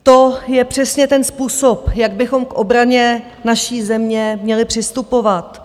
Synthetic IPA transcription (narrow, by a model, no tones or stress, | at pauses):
t̪o̞jɛpr̝̥ɛsɲɛt̪ɛnspuːso̞pjaɡ̚bɪxo̞mkʔobɾaɲɛ | naʃiːzɛmɲɛmɲɛlɪpr̝̥ɪst̪upo̞vat̪